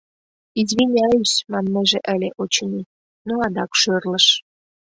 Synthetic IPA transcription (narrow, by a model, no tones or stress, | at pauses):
izβinʲɑysmɑnːeʒeʔə̆lʲeʔot͡ɕni | noɑd̪ɑkʃørlə̆ʃ